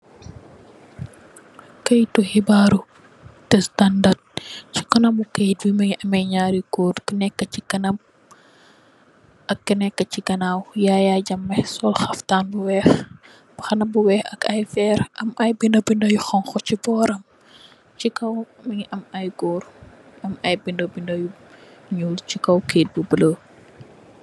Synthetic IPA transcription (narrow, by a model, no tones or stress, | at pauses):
kɐjtuhibaːɾu | tɛstɐndat̚ci̥kɔnɐmukɐjt̚wimɐʔɐmɐjɲaːɾikoːdkənɛkːɐcikɐnɐm | ɐkkənɛkːɐt͡ʃikɐnaːwjaːjaɟɐmːɛsɔlxɐftaːnbuwɛːx | b̥ɐxɐnɐbuwɛːxɐkɐjfɛːɾʔɐmʔɐjbindobindɐjuxɐnxɔcibɔːɾɐm | t͡ʃikɐw | mɐɲiʔɐmɐjɡɔːɾ | ɐmɐjbindobindɐjuɲuːlt͡ʃikɐwkeːt̚bubələ